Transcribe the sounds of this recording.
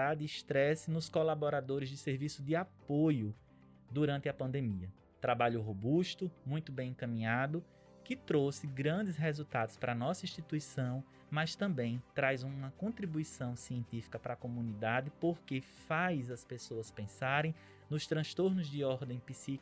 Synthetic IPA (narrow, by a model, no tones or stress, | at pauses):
ad̪ɪiʃt̪ɾɛsɪnʊskolabɔɾad̪oɾɪzd͡ʒ̪ɪseɾvisʊd̪ɪapojʊ | d̪uɾɐ̃nt̪ɪɐpɐ̃nd̪emiɐ | t̪ɾabaʎʊɦobuʃt̪ʊmũj̃t̪ʊbẽj̃ẽkɐmĩɲad̪ʊ | kɪt̪ɾosɪɡɾɐ̃d̪ɪsɦezut̪ad̪ʊspɾɐnɔsɐĩʃt̪it̪uisɐ̃w̃ | mɐst̪ɐ̃mbẽj̃t̪ɾajzũmɐkõnt̪ɾibuisɐ̃w̃siẽnt̪ifi̥kɐpɾɐkomũnid̪ad̪ɪpoɾke | fajzɐspesoɐspẽsaɾẽj̃ | nʊst̪ɾɐ̃st̪oɾnʊzd̪ɪɔɾd̪ẽj̃pisi